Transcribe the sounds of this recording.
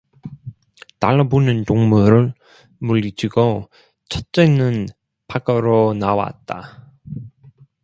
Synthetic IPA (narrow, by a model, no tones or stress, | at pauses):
taɭːʌbonɯntoŋmuɾɯɭ | muɭːid͡ʑʰiɡo | t͡ɕʰʌt̚t͡ɕ͈enɯn | pʰak͈ʌɾonawa̰t̚t͈a̰